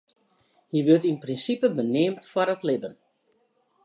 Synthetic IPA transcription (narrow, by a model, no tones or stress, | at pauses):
jiʋøtinprinsipəbənɪːmtfwɔɾətlɪbən